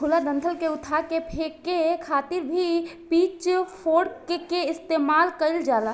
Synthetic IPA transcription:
ulad̪ə̃nt̪ʰəlkeʊt̪ʰakepʰekːekʰaːt̪ɪɾbʱipiːt͡ʃpʰoːɖkekeɪst̪eːmaːlkəɪld͡ʒaːla

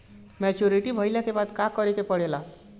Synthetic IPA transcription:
mɛt͡ʃoɾiʈibʱəjlakebad̪kakʌɾekepəɽela

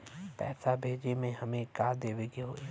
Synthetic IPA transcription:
pɛ̰ːsabʱeːd͡ʒemẽɦɐmẽkaːd̪eːʋeɡiɦo̰ːe

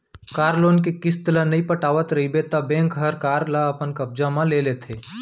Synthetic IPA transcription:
kaːɾloːnkekɪst̪ɪlanɐĩpɐʈaːʋət̪ɾɐɦibeːt̪abɛ̃ːŋkɦɐɾkaːɾlaɐpənkɐb̚d͡ʒamãleːleːt̪ʰeː

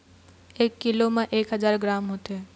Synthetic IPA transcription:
ekːilomãʔekɦəd͡ʑaɾɡɾamɦot̪e

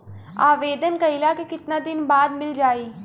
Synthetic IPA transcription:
aːʋeːd̪ənkəilaːkekɪt̪naːd̪ɪnbaːd̪mɪld͡ʒaːiː

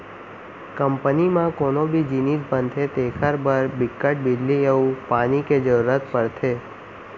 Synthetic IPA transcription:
kəmpənimãkonobʱid͡ʒinisbənd̪ʰet̪ekʰəɾbəɾbɪkːəʈ̚bɪd͡ʒlieũpaniked͡ʒəɾuɾət̪pəɾt̪ʰe

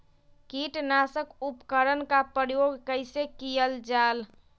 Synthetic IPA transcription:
kiʈnasəkupkəɾənkapɾjoɡʱkəɪsekijəld͡ʒal

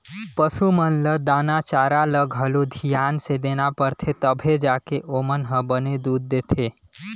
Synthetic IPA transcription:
pəsumənləd̪anat͡ʃaɾaləɡʱɦəlod̪ʱijansed̪enapəɾt̪ʰet̪əbʱed͡ʒakeʔomənɦə̃bəned̪ud̪̚ːet̪ʰe

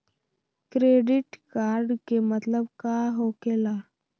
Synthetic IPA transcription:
kɾeːɖɪʈkaːɾɖkemət̪ləbkaɦokela

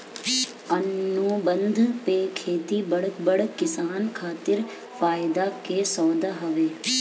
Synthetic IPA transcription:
ənːũːbə̃nd̪ʱpeːkʰeːt̪ibəɽkbɐɽkɪsaːnkʰaːt̪ɪɾ | faːɪd̪akeːsɔːd̪aɦɐʋeː

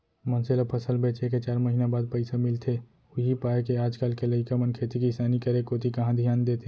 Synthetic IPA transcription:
mənselapʰəsəlbeːt͡ʃeket͡ʃaːɾməɦinabaːd̪̚pəɪsamɪlt̪ʰe | ʊɦipaːekeaːd͡ʒkaːlkeləɪkamənkʰeːt̪ikisaːnikəɾekoːt̪ikɐɦãd̪ʱijaːnd̪eːt̪e

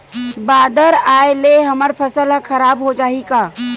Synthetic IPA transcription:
baːd̪əɾaːeleɦəməɾpʰəsəlkʰəɾaːbɦod͡ʒaːɦikaː

